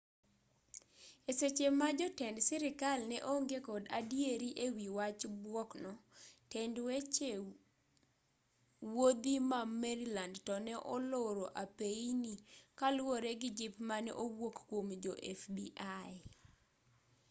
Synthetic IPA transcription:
eset͡ʃemad͡ʒɔtɛndsɪɾɪkalnɛʔoŋɡekɔdadjeɾiʔewiwat͡ʃbwɔknɔtɛndwet͡ʃe | wod̪imamɛɾilandtɔnɛʔɔloɾoʔapeinikalwoɾeɡɪd͡ʒɪpmanɛʔowwokkwomd͡ʒɔʔɛfbiʔaj

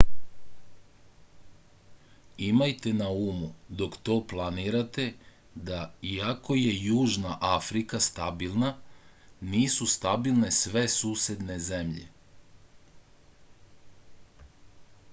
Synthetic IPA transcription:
imajt̪e̞nauːmud̪o̞kt̪o̞ːplˠaniːɾat̪e̞ | d̪aiako̞je̞juːʒnaʔafɾikast̪abilˠna | niːsust̪abilˠne̞sʋe̞suːsjed̪ne̞ze̞mʎḛ

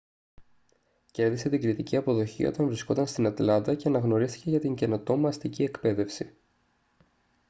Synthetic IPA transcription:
ce̞ɾðise̞t̪iɡɾit̪iciɐpo̞ðo̞çḭo̞̰t̪ɐɱvɾisko̞t̪ɐnst̪inɐt̪lɐnd̪ɐce̞ɐnɐɣno̞ɾist̪i̥ce̞ʝɐt̪iɲɟe̞no̞t̪o̞mɐst̪icie̞kpe̞ðe̞fsi

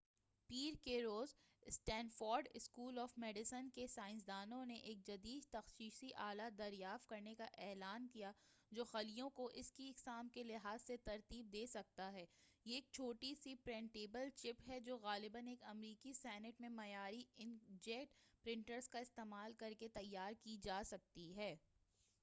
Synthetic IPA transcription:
piːɾkeɾoːz | sʈɛ̃ːnfɔːɾɖɪskuːlɔːfmɛːɖɪsənkesaːɪ̃ns̬d̪aːnõneʔeːk̚d͡ʒɐd̪iːd̪̚t̪ɐxʃiːʃiʔaːlad̪ɐɾjaːft̪̚kɐɾnekaʔɛːlaːnkija | d͡ʒoːxɐlijõkoʔɪskiɪksaːmkelɪɦaːzset̪ɐɾt̪iːb̚d̪eːsɐk̚t̪aɦɛː | jeeːk̚t͡ʃʰoːʈisipɾɛ̃ɳʈeːbəlt͡ʃɪpɦɛd͡ʒoːɣaːlɪbəneːkɐmɾiːkisɛːnɪʈmẽmɐjaːɾiɪ̃nd͡ʒɛk̚ʈpɾɪ̃ɳʈəɾzkaɪst̪eːmaːlkɐɾket̪ɐjːaːɾkid͡ʒaːsɐk̚t̪iɦɛː

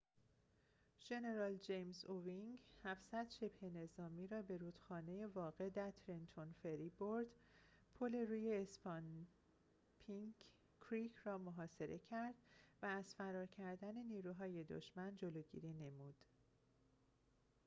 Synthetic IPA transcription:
ʒ̥e̞ne̞ɾɒːld͡ʒejmzoviŋɡhæfsæd̪̥ʃe̞bhe̞ne̞zɒːmiːɾɒːbe̞ɾuːd̪̥xɒːne̞je̞vɒːɣe̞d̪æɾt̪ʰɾent̪ʰo̞nfe̞ɾiboɾd̪pʰole̞ɾuːje̞ːspɒn | pʰiŋ | kʰɾicʰrɒːmoɦɒːse̞ɾe̞cʰæɾd̪̥væːz̥fæɾɒːɾcʰæɾd̪æne̞niːɾuːɦɒːje̞d̪o̰ʃmænd͡ʒoloːɟḭːɾiːne̞muːd̪̥

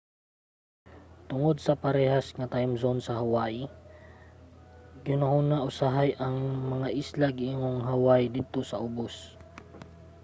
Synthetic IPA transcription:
t̪ʊŋod̪̚sɐpɐɾɛːɦasŋɐt̪ajmsonsɐɦawaʔɪ | ɡɪnɐhunaʔʊsaɦajʔɐŋmɐŋaʔɪslaɡɪiŋoŋɦawajd̪id̪̚t̪osɐʔʊbos

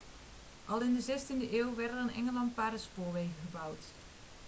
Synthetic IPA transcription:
ʔɑlˠɪndəzɛstindəʔeːwʋɛrtəranʔɛ̰ŋəlɑntpaːɾəspoːʋejɣəɣəbawt

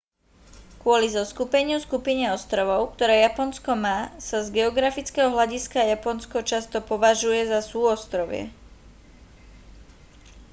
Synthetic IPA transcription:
kʊɔlizɔskupɛɲɪuskupiɲɛɔst̪ɾɔʋɔʊkt̪ɔɾɛːjapɔnskɔmaːsazɡɛɔɡɾafit͡skɛɦɔɦʎaɟiskajapɔnskɔt͡ʃast̪ɔpɔʋaʒujɛzasuːɔst̪ɾɔʋɪɛ̰

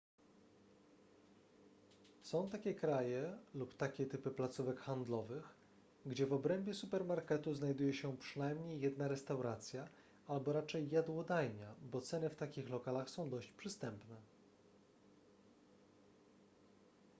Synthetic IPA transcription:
sɔ̃w̃t̪akʲɛkɾajɛlupt̪akʲɛt̪ɘpɘplat̪suvɛkxand̪lɔvɘx | ɡd͡ʑɛvɔbɾɛmbʲjɛsupɛɾmaɾkɛt̪uznajd̪ujɛɕɛpʂɘnajmɲejːɛd̪naɾɛst̪awɾat̪sʲja | albɔɾat͡ʂɛjːad̪wɔd̪ajɲabɔt̪sɛnɘft̪akʲixlɔkalaxsɔ̃w̃d̪ɔɕt͡ɕpʂɘst̪ɛmpnɛ

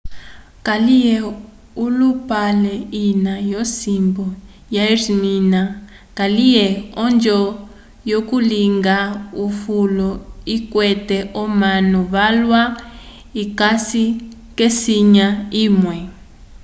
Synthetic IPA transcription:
kalijɛ | ulupalɛinajosimbɔ | jairimina | kalijɛɔnd͡ʒɔ | jokuliŋɡaufulɔikwɛtɛʔɔmanɔβalwa | ikasi | kesiɲaiːmwɛ

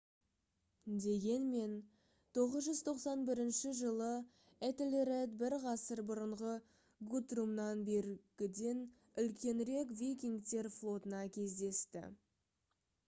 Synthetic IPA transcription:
d̪e̞ɡʲe̞nme̞n | t̪ʰo̞ʁəzʒʏzt̪ʰo̞qsɑnbɪɾɪnʃɪʒəlˠə | et̪lʲɾed̪bɪɾʁɑsəɾbʊɾəɴʁə | ɡut̪rumnɑnbe̞ɾɡʲɪd̪e̞n | ʏlkʲe̞nɾe̞kvʲijkʲiŋɡt̪e̞ɾflˠo̞t̪ənɑkʲʰe̞zd̪e̞st̪ɪ̰

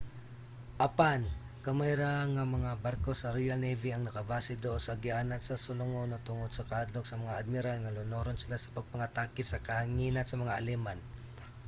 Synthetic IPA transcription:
ʔɐpan | kɐmajɾaŋamɐŋabaɾkosɐɾijalnejviɐŋnɐkɐbaːsɪd̪osɐɡɪʔanat̪sɐsʊlʊŋonot̪ʊŋod̪̥̚sɐkaad̪loksɐmɐŋaad̪̚mɪɾalŋɐlʊnoɾonsɪlasɐ̥pɐɡ̚pɐŋat̪aːkɪt̪sɐkɐhaŋiːnansɐmɐŋaʔɐlɛman

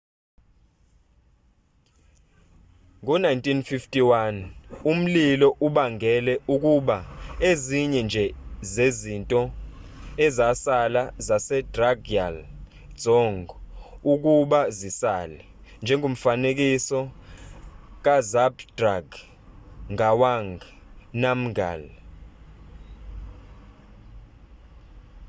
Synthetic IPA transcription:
ŋk̬ɔnajntʼinfiftʼiwanum̩lilɔʔuɓaŋɡʱɛlɛuk̬ʼuɓaeziɲɛnd͡ʒʱɛzezintʼɔ | ɛzasalazasɛdraɡia̰l | dd͡zɔŋɡuk̬ʼuɓazisaːlɛ | nd͡ʒʱɛŋɡʱom̩fanek̬isɔ | k̬ʼazabd̥raɡ | ŋawaŋɡʱ | nam̩ɡa̰l

